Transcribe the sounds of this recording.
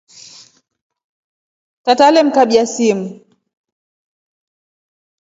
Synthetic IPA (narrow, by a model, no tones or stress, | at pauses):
tatalɛm̩kaɓiasimu